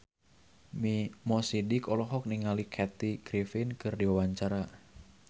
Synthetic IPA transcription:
mimɔsidikɔlɔɦɔk̚niŋalikʰɛt̪iɡɾifinkɨrdiwawaɲt͡ʃaɾa

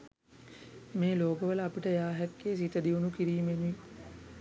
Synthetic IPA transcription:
meːloːkəʋələapiʈəjaːɦɛkːeːs̬it̪əd̪iʋunukiɾiːmenuʋi

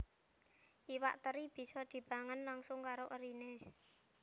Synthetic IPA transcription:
ʔiwa̰ʔt̪əɾib̥i̤sɔd̪̥i̤b̥a̤ŋənlaŋsʊŋkaɾoʔəɾine

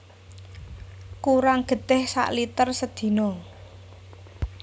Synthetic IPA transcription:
kuɾaŋɡ̥ə̤d̪̥ɛ̤hsa̰ʔlit̪ərsəd̪̥i̤nɔ

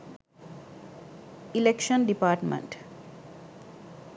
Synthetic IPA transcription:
ilekʃənɖipaːʈmḛ̃ɳʈ

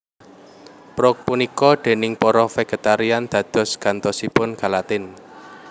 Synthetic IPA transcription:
pɾɔk̚punikɔd̪̥e̤nɪŋpɔɾɔfɛɡ̥ə̤t̪aɾiand̪̥ä̤d̪̥ɔ̤sɡ̥ä̤nt̪ɔsipʊnɡ̥a̤lat̪ɪn

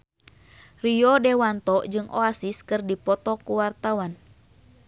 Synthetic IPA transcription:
riɔdɛwant̪ɔd͡ʒɨŋʔɔ̰asiskɨrdipɔt̪ɔkuwart̪awan

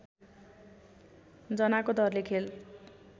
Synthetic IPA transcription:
d͡zʌnakod̪ʱʌrlekʰel

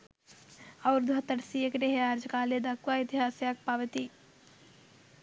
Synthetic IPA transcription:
ɐʊɾd̪ʱɐt̪əɽsiekɾeɦeaːɾd͡ʒkaːled̪akʋaɪt̪iɦaːsjak̚paːʋət̪i

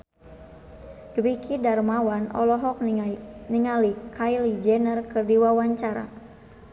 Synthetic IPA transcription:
duwikʰidarmawanɔ̰lɔɦɔk̚niŋalikʰajlid͡ʒɛnərkɨrdiwawaɲt͡ʃaɾa̰

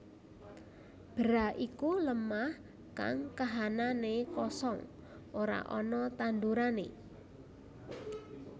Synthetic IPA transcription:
b̥əɾaʔikuləmah | ka̰ŋkaɦananekɔsɔŋ | ʔoɾa̰ʔɔnɔt̪and̪uɾanḛ

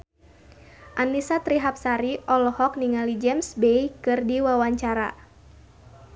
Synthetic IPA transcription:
ʔanisat̪ɾiɦap̚saɾiʔɔlɔhɔk̚niŋalid͡ʒɛmsbejkɨrdiwawaɲt͡ʃaɾa̰

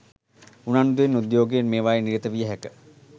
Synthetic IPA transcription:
unand̪uenud̪joːɡejenmeːʋajeniɾət̪əʋijəɦækə

